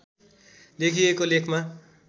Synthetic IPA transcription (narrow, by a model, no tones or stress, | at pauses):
lekʰiekolekʰma